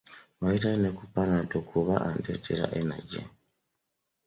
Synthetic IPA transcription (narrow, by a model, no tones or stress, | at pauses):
waitanekupanatokʰuβaʔandeteɾa̰ʔena̰ɟḛ